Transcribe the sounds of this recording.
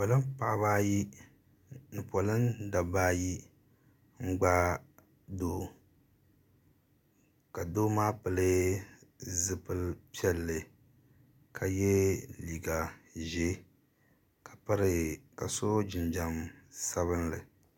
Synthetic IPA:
po˨lɨ˦mpa˨ʔβaː˦ji˦ | nɨ˨po˨lɨ˦mda˨baː˦ji˦ | ŋ͡m̩˦ɡ͡ba˦ | doː˦ | ka˨doː˦maː˦pɨ˨lɨ˦ | zɨ˦pɨ˦lpi˦ɛ˦lːɨ˨ | kʰa˨jɛ˦li˨ɡa˨ʒɛ˦ | kḁ˨pa˦ɾɨ˨ka˨so˦d͡ʒɪ˨nd͡ʒa˨msa˦βɨ˦nlɨ̰˨

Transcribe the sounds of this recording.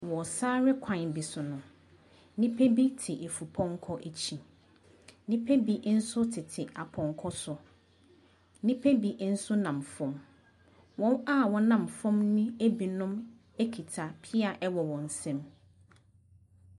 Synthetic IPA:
wɔ˨saː˦ɾɪ˦kʷʰã˨n˨bi˨sʊ˨nʊ̃˨ | nĩ˦pʰe˦bi˦tʰɪ˨ʔe˨fu˨pʰɔ̃˦ŋ˦kʰɔ˦ʔe˨t͡ɕʰi˨ | nĩ˦pʰe˦bi˨n̩˦sʊ˦tʰɪ˨tʰɪ˨ʔa˨pʰɔ̃˨ŋkʰɔ˦sʊ˨ | nĩ˦pʰe˦bi˨n̩˦sʊ˦nã˨mfɔ̃˦m | wɔ̃˦na˦wɔ˦nã˨mfɔ̃˦mnʊ̃˦e˦bi˨nʊ̃˦m | e˦kʰi˨tʰa˨pʰi˦a˨ʔɛ˦wɔ˨wɔ̃˨n̩˨sɛ̃˦m

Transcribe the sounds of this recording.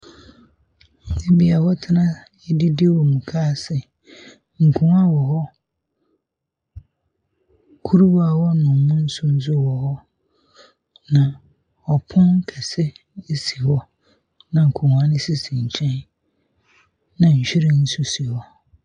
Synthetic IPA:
e˦bi˨a˨hɔ˦tʰɪ˦nã˦ | ɛ˦dɪ˦dɪ˦wɔ˨mũ˨kʰaː˦sɪ˨ | ŋ̩˨kʰũ˨ŋa˦wɔ˨hɔ˦ | kʰu˦ɾu˦wa˦˨wɔ˦nʊ̃˨˦mʊ̃˦n̩˦sʊ˦n̩˦s̬ʊ˦˨wɔ˨hɔ˦ | nã˨ | ɔ˨pʰʊ̃˦n˦kʰɛ˨sɛ˦e˦si˨hɔ˦ | nã˨ŋ̩˨kʰũ˨wa˦nɪ̃˦sɪ˦sĩ˨ɲ̩˨t͡ɕʰɛ̃˦n | nã˨ɲ̩˨ɕᶣi˦ɾɪ˦n̩˦sʊ˦si˨hɔ˦

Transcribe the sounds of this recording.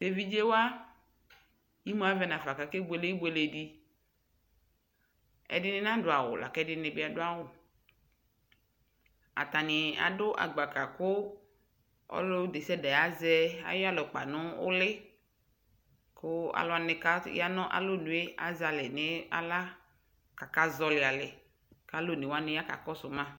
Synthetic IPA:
be˦vi˦d͡ʒe˦wo˦a˦ | ji˦mõ˨˦a˦vɛ˨˦nã˨fa˨ka˨ke˦ɡ͡be˨le˦ɡ͡be˨le˨ɖi˦ | ɛ̰˨dɪ˦nɪ̃˦nã˦ɖʊ˨a˨wʊ˨la̰˨kɛ˦dɪ˦nẽ˨bɪ˦a˨dʊ˦a˦wʊ˨ | a̰˨t̪a˨nɪ˨a̰˨dʊ˦ʔa̰˨ɡ͡ba˨ka˨kʊ˦ | ɔ̰˦lo˦d̪e˨sɛ˦dɛ˨ja˦zɛ˦a̰˦jɔ˦a˦˨lɔ˨k͡pa̰˨nʊ̃˦ʊ̰˦lɪ˦ | kʊ˦a̰˨lʊ˦a˨ne˨ka˦ja˦nɔ̃˦ʔa̰˨lo˦nũ˨e˦a̰˨za˨lɪ˨nɪ̃˦a̰˦la˦ | ka˨ka˦zɔ˦lɪ˨a˨lɪ˨ | ka˦lo˦˨ne˨wa˦nʊ˦a˦ka̰˨kɔ˦sʊ˨mã˦

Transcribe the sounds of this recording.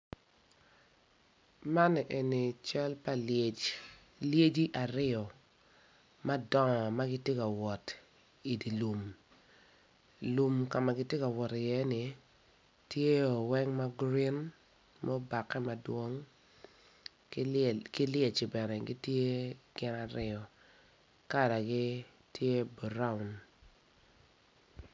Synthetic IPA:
ma˦nɛ˨ʔe˨ni˨t͡ʃa˦lpa˨ | lje˦d͡ʒi˦ʔa˨ɾɪ˦ɔ˨ | ma˦dɔ˦ŋɔ˨ma˦ɡɪ˦tje˦ka˨wɔ˨t | i˨di˨lu˨m | lu˨mka˨ma˨ɡɪ˦tje˦ka˨wɔ˨tɪ˨jɛ˦ni˨ | tje˦o˨wɛ˦ŋma˦ɡɾi˦n | mɔ˦ba˨kːɛ˦ma˨dwo˦ŋ | kɪ˦lje˦˨t͡ʃɪ˨bɛ˨nɛ˨ɡi˦tje˦ɡ̥ɪ˦na˦ɾɪ˦ɔ˨ | ka˦da˨ɡɪ˦ | tʰje˦bɔ˨ɾa˦u˨n

